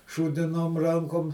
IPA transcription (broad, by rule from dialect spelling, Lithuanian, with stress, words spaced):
ʃuːdʲɪˈnoːm ˈrɐŋkoːm